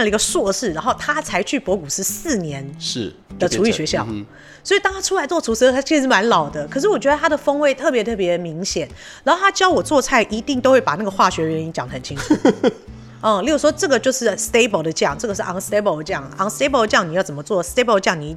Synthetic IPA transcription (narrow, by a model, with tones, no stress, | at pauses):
nlə˩i˧ɡə˧swɔ˥˧ʂɻ̩˥˩ɻa˧˥nxo˥˩ʊt̪ʰa˥t͡sʰa˧˥ɪt͡ɕʰy˥˩pwɔ˧˥ku˨˩ʂɻ̩˥˧sɹ̩˥˩njɛ˧˥nʂ̩˥˩ | d̪ə˨ʈ͡ʂʰu˧˥y˥˩ɕɥɛ˧˥ɕjɑ˥˩ʊ | swɔ˧˥i˨˩t̪ɑ˥ŋt̪ʰa˥ʈ͡ʂʰu˥la˧˥ɪt͡swɔ˥˩u˧˥ʂ̩ʰ˧˥˧t͡ɕʰi˧˥ʂ̩ɻ̩˧˥ʂɻ̩˥˩ma˧˥nlɑ˨˩ʊd̪ə˦kʰʂ̬̩˥˩wɔ˨˩t͡ɕɥɛ˧˥ə˧t̪ʰa˥d̪ə˨fɤ˥ŋwe˥˧ɪt̪ʰɤ˥˩p̬jɛ˧˥t̪ʰɤ˥˩p̬jɛ˧˥d̪ə˨mi˧˥ŋɕjɛ˨˩˦n | ɻa˧˥nxo˥˩tʰa˥t͡ɕjɑ˥ʊwɔ˨˩t͡swɔ˥˧t͡sʰa˥˩ɪʔi˧˥t̪i˥˧ŋt̪o˥ʊxwe˥˩pa˨˩na˥˩ɡə˩xwa˥˩ɕɥɛ˧˥ɥɛ˧˥ni˧˥t͡ɕjɑ˨˩ŋd̪ə˩xə˨˩nt͡ɕʰi˦˥ŋʰu˥˩ | ə˥˧li˧˥˩u˨˩ʂwɔ˥ʈ͡ʂɤ˥˩ɡə˩t͡ɕjo˥˧ʊʂɻ̩˥˩st̪e˥ɪbɔ˧˩d̪ə˨t͡ɕjɑ˥˩ŋʈ͡ʂɤ˥˩ɡə˩ʂɻ̩˥˩ʔɑ˧˥ŋst̪e˥ɪbo˧˩ʊ˧t͡ɕjɑ˥˩ŋɑ˧˥ŋst̪e˥ɪbɔ˧˥d̪ə˧t͡ɕjɑ˥˩ŋni˨jɑ˥˩ʊt͡sə˨˩mə˦t͡swɔ˥˩se˥ɪbo˧ə˧t͡ɕjɑ˥˩ŋni˨˩